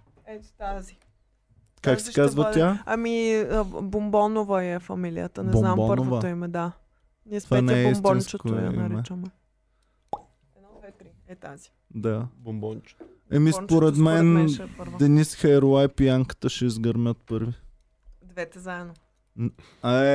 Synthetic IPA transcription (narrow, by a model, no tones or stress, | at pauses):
ɛt̪t̪azi | kaksɛkazvət̪ʲjaɐmi | bombɔnovəiɛfɐmilḭə̰t̪ənɛb̪nampəɾnɾoovəoimɛd̪a | niɛst̪vaanɛɛismb̪int͡ʃətkoḭmɛt͡ʃəmɛ | ɛd̪nɔd̪vɛt̪ɾiɛt̪azi̥ | d̪abmbt͡ʃ | ɐmisspoɾɛt̪mɛnpəɾd̪ɛnisxɛɾowajpiaŋkə̥t̪əʃɛizɡəɾmʲət̪̚pɤɾvi | d̪vɛt̪ɛzaɛd̪no | aɛ